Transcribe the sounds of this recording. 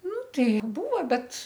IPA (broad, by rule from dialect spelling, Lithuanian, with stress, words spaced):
ˈnʊ ˈtɐɪ ˈbuːʋɐ ˈbʲɛt